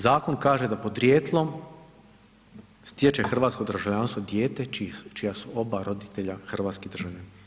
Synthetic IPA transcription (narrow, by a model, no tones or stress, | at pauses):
zaːko̞nkaːʒe̞d̪apo̞d̪ɾjeːt̪lˠo̞m | st̪jet͡ʃexr̩ʋaːt̪sko̞d̪ɾ̩ʒaʋʎaːnst̪ʋod̪jeːt̪e̞t͡ʃijasuo̞baɾo̞d̪it̪e̞ʎaxr̩ʋaːt̪sked̪r̩ʒaʋne